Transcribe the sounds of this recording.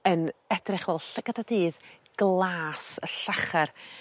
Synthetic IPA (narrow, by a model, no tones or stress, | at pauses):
ənɛdrɪχvɛːlˠɬɡ̥ədadɨːð | ɡ̥lˠaːsəɬaχar